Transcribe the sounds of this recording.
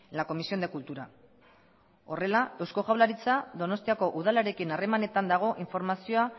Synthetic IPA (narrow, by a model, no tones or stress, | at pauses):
lako̞misio̞nd̪e̞kult̪uɾa | o̞re̞lae̞wsko̞ʝawlaɾit͡saðo̞no̞st̪iako̞ʔuð̞alaɾe̞kinare̞mane̞t̪and̪aɣ̞o̞ʔiɱfo̞ɾmasio̞a